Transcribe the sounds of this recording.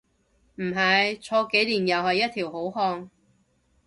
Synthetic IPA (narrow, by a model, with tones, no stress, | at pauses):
m̩˨˩ɦɐ˨˧jt͡sʰɔː˧ke˨˥jliː˨˩njɐ˨whɐ˨jːɐ˥t̪̚ʰiː˨˩wɦo˨˥wɦɔː˧ŋ